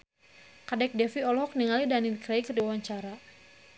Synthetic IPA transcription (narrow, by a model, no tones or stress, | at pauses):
kadɛk̚dɛfiɔlhɔk̚niŋalidanilkɾɛjkrdiwawaɲt͡ʃaɾa